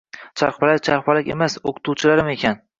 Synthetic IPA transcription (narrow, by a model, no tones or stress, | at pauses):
t͡ʃʰa̰ɾχpalak̚ʲt͡ʃʰaɾpalɪkʲḛmasoqʰʊ̥t̪ʰuwt͡ʃʰɪlaɾɪme̞kʲʰan